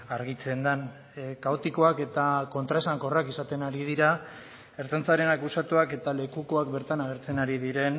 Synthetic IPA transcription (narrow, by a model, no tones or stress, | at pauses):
aɾɣ̞it͡se̞nd̪an | kaot̪iko̞ake̞t̪ako̞nt̪ɾaesaŋko̞rakisat̪e̞naɾið̞iɾa | e̞ɾt̪ant͡saɾe̞nakusat̪uake̞t̪ale̞kuko̞ak̚be̞ɾt̪anaɣ̞e̞ɾt͡se̞naɾið̞iɾe̞n